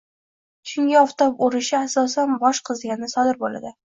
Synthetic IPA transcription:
ʃʊŋɡʲaɒft̪opʊɾɪʃɪasɒsanbɒʃqʰɨzɡʲanɪnɪsɒd̪ɪɾbola̰d̪ɪ

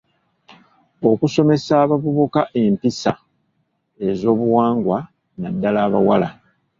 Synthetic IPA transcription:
o̞kuso̞me̞saːβaβuβukaʔe̞mpisa̰ | e̞zo̞ːβuwaːŋɡwa | nadːalaːβawala̰

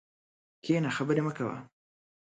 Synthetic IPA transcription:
kʰeːnaxabəɾeməkawa̰

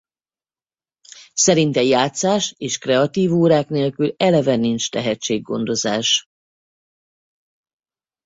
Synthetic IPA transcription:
sɛɾint̪ɛjaːt̪saːʃeːʃkrɛɒt̪iːvoːɾaːkneːlkylɛlɛvɛnint͡ʃt̪ɛɦɛt͡ʃːeːɡːo̞̰nd̪o̞zaːʃ

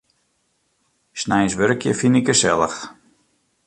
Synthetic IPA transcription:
snɛjnsʋøɾəkʰjə̰finikəsɛlˠəx

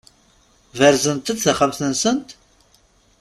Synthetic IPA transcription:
vəɾzənt̪əd̪θəχəmθənsənt̪

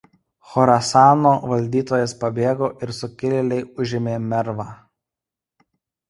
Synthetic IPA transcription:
xɔɾɐsɑːnoːʋɐlʲd̪ʲiːt̪oːjɛspɐbʲeːɡoːʔɪɾsʊkʲɪlʲɪlʲɛɪʊʒʲɪmʲeːmʲɛɾʋɑː

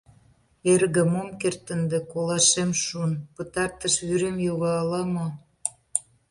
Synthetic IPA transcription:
erɣə̆momkert̪ə̆nd̪ĕkolɑʃemʃunpət̪ɑrt̪əʃyɾemjoɣɑːlɑmo

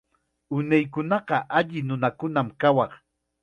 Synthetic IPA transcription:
ʊnajkʊnɑqɑʔaʎɪnʊnakʊnamkawɑχ

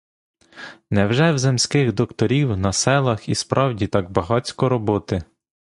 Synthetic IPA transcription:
nɛwʒɛwzemsʲkɪxd̪ɔkt̪ɔɾʲiwnɐsɛlˠɐxispɾʔɑwdʲit̪ɑɡ̚bɐɦɑt͡sʲkɔɾɔbɔt̪ɪ

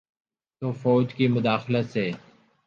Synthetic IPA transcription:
t̪oːfoːd͡ʒkiːmʊd̪aːxlət̪seː

